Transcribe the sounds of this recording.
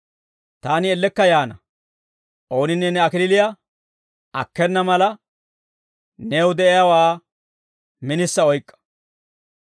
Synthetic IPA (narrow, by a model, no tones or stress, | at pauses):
t̪aːnɪɛlːɛkːɐjaːnɐ | ʔo̞ːnɪnːɛnɛɐkɪlɪlɪja | ʔɐ̰kːɛnːɐmɐlɐ | nɛʊd̪ɛʔɪjawaː | mɪnɪsːɐɔjkʼːɐ̥